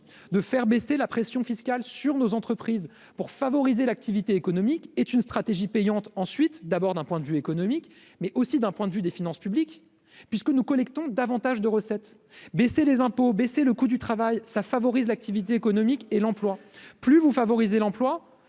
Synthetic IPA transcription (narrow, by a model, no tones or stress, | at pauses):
d̪əfɛʁbeselapχesjɔ̃fiskalsyʁnozɑ̃t̪χəpχiz | puʁfavɔʁizelak̚t̪ivit̪eːkɔnɔmiket̪ynst̪χat̪eʒipɛjɑ̃t̪ɑ̃sɥit̪d̪abɔʁd̪ɛ̃pwɛ̃d̪əvyekɔnɔmik | mɛʔosid̪ɛ̃pwɛ̃d̪əvyd̪efinɑ̃spyblik | pɥiskənukɔlɛkt̪ɔ̃d̪avɑ̃t̪aʒd̪əʁəsɛt̪ | beselezɛ̃pobeseləkud̪yt̪χavajsafavɔʁizlak̚t̪ivit̪̬eːkɔnɔmikelɑ̃plwaplyvufavɔʁizelɑ̃plwa